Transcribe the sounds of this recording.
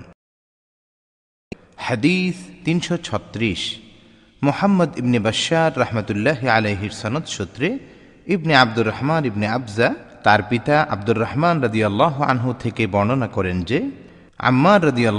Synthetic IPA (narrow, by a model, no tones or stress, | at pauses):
had̪ist̪inʃɔt͡ɕʰɔt̪ːɾiʃ | mʊhamːɐd̪ibnebɐʃːaɾːɐhmat̪ulːaːɦialejɦiɾsɐnɔd̪ʃot̪ːɾe | ibniab̚d̪urːahmanibniabzat̪aɾpit̪aʔa̰b̚d̪urːɐhmanɾɐd̪ijɐlːaːɦua̰nɦut̪ʰekebɔɽ̃onakɔɾend͡ʑe | a̰mːaɾːɐd̪ijɐlː